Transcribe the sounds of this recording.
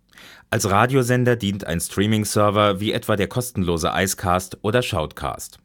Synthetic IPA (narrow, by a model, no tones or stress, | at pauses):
ʔalsʁaːdjozɛndɐdiːntʰa̰ɪnstʁ̥iːmɪŋsœɐvɐviːʔɛtv̥aːdeːɐkʰɔstn̩loːzə̰ʔa̰ɪskʰaːstʔoːɾɐʃaʊtkʰa̰ːst